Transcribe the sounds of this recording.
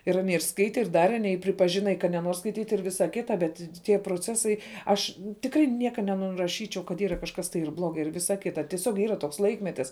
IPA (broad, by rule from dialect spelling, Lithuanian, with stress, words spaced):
ɪr ɐˈnʲiɛ ɪr ˈskɐɪtʲɛ ɪr ˈdɑːrʲɛ ɐˈnʲiɛ ɪ pʲrʲɪpɐˈʒʲɪnɐ ɪ kɐ nʲɛˈnuɔr skɐɪˈtʲiːtʲ ɪr ˈʋʲɪsɐ ˈkʲɪtɐ bʲɛt tʲiɛ proːˈt͡sʲæːsɐɪ ˈɐʃ tʲɪkˈrɐɪ ˈnʲiɛkɐ nʲɛnʊrɐˈʃʲiːt͡ʃʲɛʊ kɐt ˈiːrɐ kɐʃkɐs tɐɪ ɪr ˈblˠoːɡɐɪ ɪr ˈʋʲɪsɐ ˈkʲɪtɐ tʲiɛˈsʲoːk ˈiːrɐ toːks ˈlˠɐɪkmʲɛtʲɪs